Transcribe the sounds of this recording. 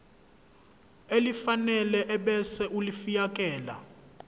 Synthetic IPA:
elifanɛlɛʔɛɓɛsɛʔulifijak̬ʼɛːla̰

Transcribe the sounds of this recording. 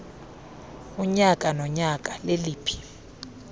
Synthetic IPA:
uɲakʼanɔɲakʼaleliːpʰi̥

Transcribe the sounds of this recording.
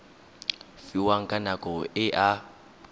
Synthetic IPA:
fiwaŋ̩kʼanakʼɔɪʔa

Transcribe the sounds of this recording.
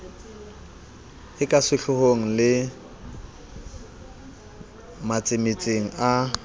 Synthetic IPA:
ɪkʼasɪɬʊhoŋ̩lɪ | mat͡sʼɪmet͡sʼeŋ̩a

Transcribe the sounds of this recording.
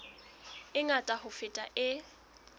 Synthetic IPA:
ɪŋatʼahʊfɪtʼaʔɪ

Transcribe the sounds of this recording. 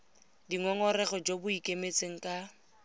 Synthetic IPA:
diŋɔŋɔrɛχɔd͡ʒobʊikʼemet͡sʼeŋ̩kʼa

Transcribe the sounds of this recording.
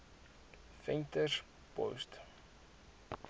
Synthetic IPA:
fɛnt̪ər | po̰wst̪

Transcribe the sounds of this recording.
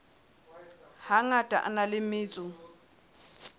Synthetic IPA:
haŋatʼa̰ʔa̰nalɪmɪːt͡sʼʊ

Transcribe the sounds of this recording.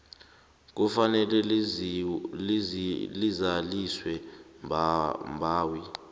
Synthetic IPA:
k̬ufanɛlɛ | llizaliswɛbmbʱaːwi

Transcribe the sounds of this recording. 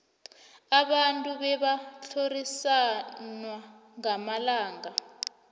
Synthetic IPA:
aɓantʼuɓɛɓaɬʰorisanwaŋamalaːŋa

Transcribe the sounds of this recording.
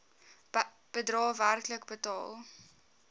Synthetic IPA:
b̥ədrɑːværkləkbətɑ̰ːlˠ

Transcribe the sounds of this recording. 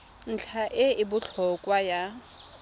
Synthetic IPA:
n̩t͡ɬʰaʔɪɪbʊɬʰɔkʼwaja

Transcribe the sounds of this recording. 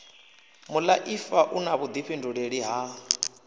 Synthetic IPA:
mulaʔifaʔunaβud̪iɸʰindʱuɺeɺiɦa

